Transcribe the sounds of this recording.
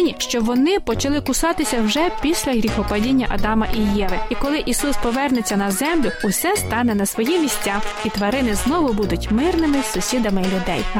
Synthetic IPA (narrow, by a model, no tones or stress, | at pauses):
nʲiʃt͡ʃɔʋɔnɪpɔt͡ʃɐlˠɪkʊsɑt̪ɪsʲɐwʒɛpʲisʲlʲɐɦɾʲixɔpɐdʲinʲːɐʔɐ̰d̪ɑmɐʔijɛʋɪikɔlˠɪʔisuspɔʋɛrnɛt͡sʲːɐnɐzɛmlʲʊʊsɛst̪ɑnɛnɐsʋɔjimʲisʲt͡sʲaxit̪ʋɐɾɪnɪznɔʋʊbud̪ʊtʲmɪrnɪmɪsʊsʲid̪ɐmɪlʲʊd̪ɛj